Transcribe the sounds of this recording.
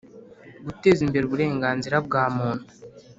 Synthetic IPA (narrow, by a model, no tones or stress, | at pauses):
ɡute̞zimbe̞ɾuβuɾe̞ːŋɡaːnziɾab̚ɡaːmuːnhu̥